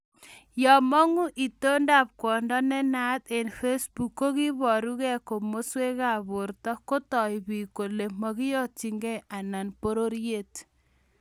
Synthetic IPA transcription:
jɔ˨mɔ˦ŋu˦ʔi˨to˦nda˦˨p̚kwɔ˨ndɔ˦nɛ˦na˦t̪e˨nfe˦sbu˨kːo˦ki˦βɔ˨ɾu˦ɣɛ˦ko˨mo˦swe˦ɣa˦˨βʊ˨ɾtɔ˦ko˦tɔ˨i˨βi˨ko˨le˨mɔ˨ɣi˦jɔ˦t͡ʃi˨ŋɡɛ˦ʔa˨na˨npo˦ɾo˦ɾje˦˨t

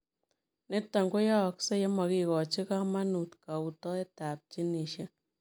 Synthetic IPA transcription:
ne˦ta˨ŋɡo˦ja˦˨kse˦je˦ma˨ki˨kɔ˨t͡ʃi˦ka˦ma˦nu˨tka˨u˨tɔ˦e˦ta˨p̚t͡ʃi˦ne˨ʃja˦

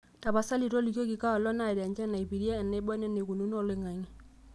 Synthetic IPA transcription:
ta˨ba˨sa˦li˨ɾo˦li˨ko˦ki˨ka˦ɔ˨lɔ˦na˨da˨ɲd͡ʒa˦na˨i˨bi˨ɾi˦a˦ɛ˨nːɛ˦bɔ˦nɛ˦ne˨ku˨nu˦n˦ɔ˦˨lɪ˨ŋa˨ŋi˦

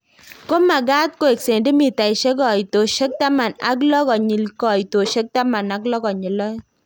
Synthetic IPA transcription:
ko˦ma˨ɡa˦t̚ko˦e˨kse˨ndi˦mi˨ta˨i˨ʃe˦k̬ɔ˨i˨to˨ʃe˦k̚ta˦ma˨na̰˦k̬lɔ˦kɔ˨ɲi˨lkɔ˨jto˨ʃe˦k̚ta˦ma˨na˨klɔ˦kɔ˨ɲɪ˨lɔ˦j

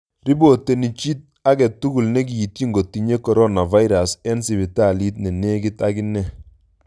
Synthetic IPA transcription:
ɾi˦bo˨tːe˨ni˨t͡ʃi˦t̚ | a˦kɛ˨tːu˦ku˨lne˦k̬i˨i˨t̚ki˦ŋɡo˨tːi˨ɲe˦kɔ˨ɾɔ˦na˨va˦i˦ɾa˨sɛ˦nsi˨βi˨ta˦˨li˦t̬̚ne˨ne˦kɪ˦ta˦ki˦nɛ˦

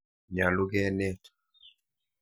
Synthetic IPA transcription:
ɲa˨lu˦ɡɛ˦nɛ˦tʰ

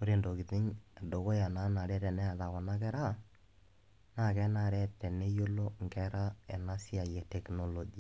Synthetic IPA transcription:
o˦ɾe˦˨ndo˨ɡi˨tɪ˦ɲa˨do˨ko˦ja˨na˦na˨ɾɛ˦ɾɛ˨nɛ˦a˨ða˨kɔ˨na˦kɛ˦ɾa˦˨ | na˦kɛ˦na˨ɾɛ˦tɛ˨ne˦jo˦lo˦ŋ˨ɡɛ˦ɾa˦ɛ˨na˦si˦a˨jɛ˨tɛ˨kno˨lo˨d͡ʒi˨a˨

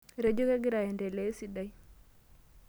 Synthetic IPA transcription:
ɾe˦d͡ʒo˦ke˦ɡɪ˦ɾa˨ɛ˨nde˨le˦si˦da˦j

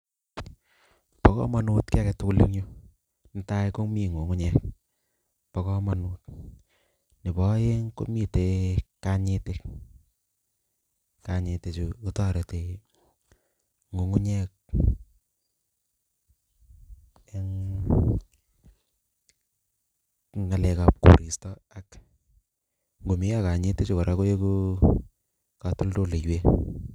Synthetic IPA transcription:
pɔ˨kɔ̰˦ma˨nu˦tka˦kɛ˨tʊ˦kʊ˦lḭ˦ŋɲo˦ | n̩˦ta˦jko˦mi˦˨ŋo˨ŋu˦ɲɛ˦k̚ | pɔ˨kɔ˦ma˨nu˨t̚ | nɪ˨bɔ˨˦je˦ŋko̰˦mi˦˨te˨ka˦ɲɪ˦te˦ | ka˨ɲɪ˨te˨t͡ʃu˨u˦tɔ˦˨ɾe˨te˨ | ŋo˨ŋu˦ɲɛ˦k̚ | ɛ˦ŋ | ŋa˨lɛ˨ka˨p̚ko̰˨ɾi˨stɔ˦a˨k | ŋɡo˨mi˦a˦ka˨ɲe˦te˦t͡ʃu˨kɔ˨ɾʔa˦ko˦je˦ko˦ | ka˨tu˦lto˦le˨jwe˦

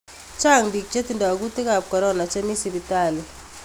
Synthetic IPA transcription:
t͡ʃa˦˨ŋbi˨k̚t͡ʃe˦ti˨nda˨ɡu˦tɪ˦ka˨p̚kɔ˨ɾɔ˦na˨t͡ʃe˦mi˦si˨bi˨ta˦˨li˨

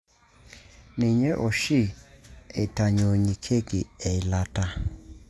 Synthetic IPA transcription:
ni˨ɲɛ˦ʔɔ˨ʃi˦˨e˨ta˨ɲo˨ɲi˨kʰe˦ki˨ɛ˨la˨ta˦

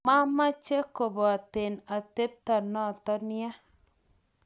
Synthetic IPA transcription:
ma˦ma˦t͡ʃe˦ko˨bɔ˨a˨te˨na˨te˦p̚t̪a˨nɔ˦˨t̪ɔ˦nja˦

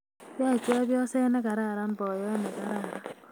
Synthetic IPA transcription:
bja˦˨ka˦bjɔ˦se˦nɛ˦ka˨ɾa˦˨ɾa˦n˦bɔ˨jɔ˦ne˨ka˦ɾa˦˨ɾa˦

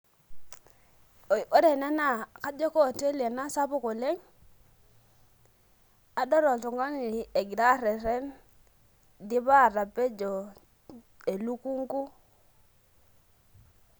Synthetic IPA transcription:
o˦de˨nɛ˦na˦˨ka˦d͡ʒɔ˦kɔ˦˨te˦li˨e˨na˦sa˦pʊ˦ko˨le˦ŋ | a˨dɔ˦ɾɔ˨tu˨ŋɡa˦ŋ˨e˨ɡi˨da˦ɾɛ˨ɾɛ˦n | di˦βa˦˨ɾa˨pe˦d͡ʒɔ˨ | e˨lu˦ku˦ŋɡu˦

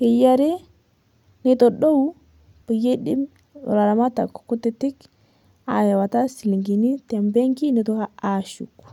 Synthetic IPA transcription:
ke˨ja˦ɾe˦ | ne˦tɔ˨ɗo˦w | pə˨je˦ɗi˦m̰˨ | ɾa˨ɾa˨ma˦ta̰˨kku˦te˦ti˦k | a̰˨ja˨wa˨ta˦si˨li˨ŋɡi˨ni˦tɛ˨mbɛ˦ŋɡi˦ne˨˦tɔ˨˦ha˦a˨ʃṵ˨k

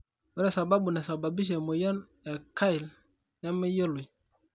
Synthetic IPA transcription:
wɛ˦nɛ˨sa˨ba˦bu˨nɛ˨sa˨ba˨bi˦ʃ̬ɛ˨mo˨jɔ˦n | ɛ˨ka˦i˨l | ja˦mɛ˦jo˦lu˨j

